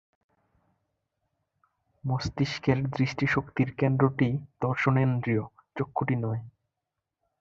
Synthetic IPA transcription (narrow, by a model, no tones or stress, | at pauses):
most̪iʃkeɾd̪ɾiʃʈiʃokt̪iɾkend̪ɾoʈid̪̥ɔɾʃonend̪ɾijo | t͡ɕokʰːoʈinɔe